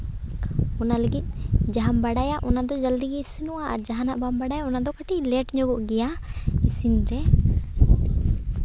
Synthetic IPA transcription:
ɔnaləɡit̪̚ˀd͡ʒaɦambaɽajaʔɔnad̪ɔd͡ʒald̪iɡɛisinɔwaa̰ɾd͡ʒaɦanaʔbambaɽajaɔnad̪ɔkaʈilɛʈɲɔɡɔʔɡɛjaisinɾɛ

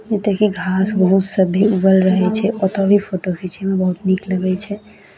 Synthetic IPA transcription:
d͡ʒet̪əkiɡʱasbəɦut̪səbʱiuɡəlɾəɦɛt͡ʃʰɛʔɔt̪ɔbʱipʰoʈokʰit͡ʃemebəɦut̪nikləɡɛt͡ʃʰɛ

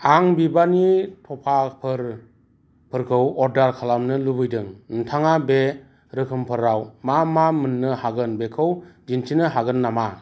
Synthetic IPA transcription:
aŋbibanitʰɔpʰapʰɯɾ | pʰɯɾkʰɯwɔɾdaɾkʰalamnɯlubɯjdɯŋn̩tʰaŋabe | ɾɯkʰɯmpʰɯɾawmamamɯnːɯhaɡɯnbekʰɯwd͡ʒintʰinɯɦaɡɯnːama

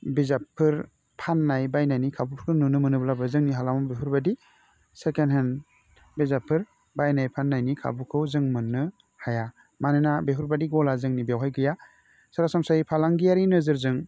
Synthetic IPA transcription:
bizapʰːɯɾ | pʰanːajbajnajnikʰabupʰkʰɯnɯnɯmɯnɯblabɯzɯŋniɦalamɔbeɦuɾbadi | sekenɦen | bezapʰːɯɾ | bajnajpʰanːajnikʰa̰bukʰɯwzɯŋmɯnːɯ | haja | manɯnabeɦuɾbadiɡɔlazɯŋnibjawɦajɡɯja | saɾasamsajipʰalaŋɡijaɾinɯzɯɾzɯŋ

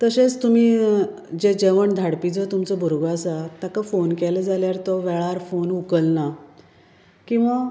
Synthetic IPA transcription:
t̪əɕet͡st̪um̤iː | d͡ʑed͡ʑeʋəɳd̪ʱaɽpid͡zɔt̪umt͡sɔbʱuɾɡasat̪jakafonkeləd͡zaljaɾt̪ɔʋɛɭaɾfonukəlna | kĩw̃ʋa

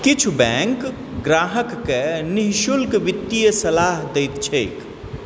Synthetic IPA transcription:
kɪt͡ʃʰubɛ̃ːŋk | ɡɾaːɦəkːenɪɦʃʊlkʋɪt̪ːijəsɐlaːɦd̪eɪt̪t͡ʃʰeːk

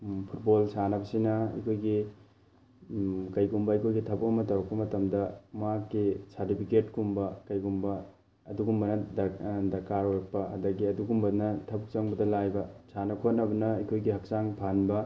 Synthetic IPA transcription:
pʰut̚bolsanɐbɐsinɐɐ̰kʰojɡi | kɐjɡumbɐikʰojɡitʰɐbuk̚bɐmɐtɐwɐk̚pɐmɐtɐmdɐmakːisɐɾtipʰiketkumbɐkɐjɡumbɐ | ɐduɡumbɐnɐddɐkaɾoɾɐk̚pɐɐ̰dɐɡiɐduɡumbɐnɐtʰɐbuk̚t͡ʃɐŋbɐdɐlajbɐsanɐkʰot̚nɐbɐnɐikʰojɡiɦɐk̚saŋpʰanbɐ

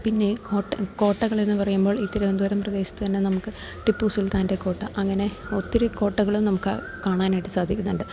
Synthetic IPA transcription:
pinːe̞koːʈːɐko̞ːʈːɐɣɐɭe̞nːɨpɐrɐjumbo̞ːɭit̪ːiɾɐʋend̪uɐɾɐmprɐd̪e̞ːɕɐ̥t̪ːɨt̪ɐnːe̞nɐmukːɨ | ʈipːuːsilt̪aːnde̞ko̞ːʈːɐʔɐŋːɐne̞o̞t̪ːiɾuko̞ːʈːɐɣɐɭumnɐmukːɨ̰ | kaːɳaːnaːjiʈːɨsaːd̪ʱikʲːunːuɳɖɨ

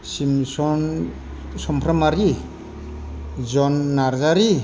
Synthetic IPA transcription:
simsɔn | sɔmpʰɾamaɾi | d͡ʒɔnːaɾzaɾi

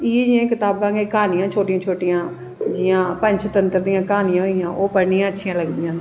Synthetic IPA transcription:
iːd͡ʒɪjãːkɪt̪aːbãːɡeːkaːnɪjãːt͡ʃʰoːʈɪãːt͡ʃʰoːʈɪjãː | d͡ʒɪjãːpəɲt͡ʃʰt̪ənt̪əɾd̪ɪjãːkaːnɪjãːɦoɪjãːʔoːpəɽnɪjãːətːʃʰɪjãːləɡd̪ɪjãː

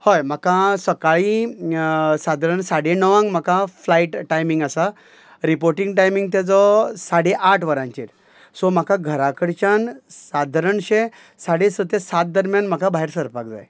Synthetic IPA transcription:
hɔjm̤akãsəkaɭi | sad̪ʱəɾəɳsaɽenəʋãŋɡm̤akaflaiʈʈːajmiŋɡasa | ɾipoɾʈĩŋɡʈajmiŋɡ̚t̪ad͡zɔsaɽeʔaʈʰʋəɾãɲt͡ɕeɾ | sɔm̤akaɡʱəɾakəɽt͡ɕansad̪ʱəɾəɳɕe | saɽesət̪esat̪̚d̪əɾmjanm̤akabʱaɦeɾsəɾpakd͡za̰j

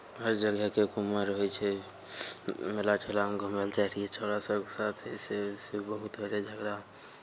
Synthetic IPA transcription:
ɦəɾd͡ʒəɡəkekuməɾɦojt͡ʃʰɛ | melaʈʰelaɡʱʊməlt͡ʃaɾiet͡ʃʰoɽasɔksaːt̪ʰesesebəɦut̪beɾed͡ʒəɡɾa

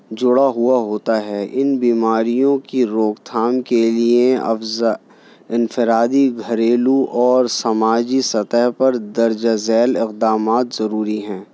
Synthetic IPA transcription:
d͡ʒʊɽaɦuaɦoːt̪aɦɛʔɪnbiːmaːɾijõkiɾoːkt̪ʰaːmkelieɐ̰fz | ɪnfɪɾaːd̪iɡʱɐɾeːluʔɔːɾsɐmaːd͡ʒisɐt̪əɦpɐɾd̪ɐɾd͡ʒazɛːlɪqd̪aːmaːt̪zɐɾuːɾiɦɛ̃ː

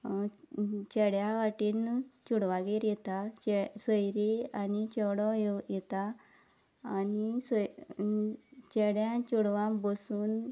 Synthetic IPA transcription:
t͡ɕɛɽjãʋaʈiːnt͡ɕuɽʋaɡeɾjɛt̪at͡ɕɛsəjɾeanit͡ɕɔɽɔjjɛt̪aː | nis | t͡ɕɛɽjãt͡ɕuɽʋãmbəsuːn

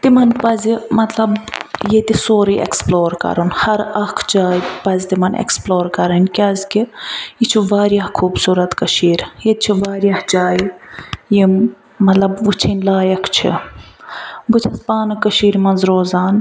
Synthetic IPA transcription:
t̪imɐnpɐzmɐt̪lɐbjet̪isoːɾiʔḛksploːɾkɐ̰ɾunhɐɾɐkʰd͡ʒaːjpɐzʲt̪imɐnḛksploːɾkɐɾɐnʲkʲɐzkiit͡ʃʰiʋaːɾjahkʰuːbsuːɾɐt̪kɐʃiːɾjet͡ʃʰiʋaːɾjahd͡ʒaːjje | mɐt̪lɐbʋut͡ʃʰinʲlaːjɐkʰt͡ʃʰḭ | but͡ʃʰɐspaːnɨkɐʃiːɾmɐnzɾoːzaːn

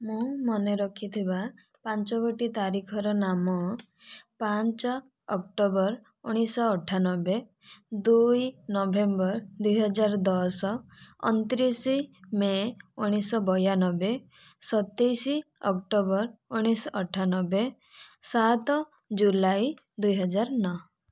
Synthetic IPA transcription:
mũmɔneɾɔkʰit̪ʰiba | pant͡ʃɔkoʈit̪aɾikʰɔɾɔnamɔ | paɲt͡ʃɔː | kʈobɔɾ | uɽ̃isɔːʈʰːanɔbe | d̪ujnɔbʱembɔɾd̪ujɦɔd͡ʒaɾd̪ɔsɔɔ̰nt̪ɾisimeuɽ̃isɔbɔjanɔbe | sɔt̪ejsiɔk̚ʈobɔɾuɽ̃isɔɔʈʰanɔbe | sat̪ɔ | d͡ʒulaj | d̪ujɦɔd͡ʒaɾnɔ

